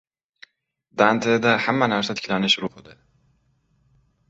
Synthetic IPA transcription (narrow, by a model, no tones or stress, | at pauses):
d̪ant̪ʰed̪ahamːænæɾsat̪ʰi̥cʰʲlanɪʃɾuhud̪ɪ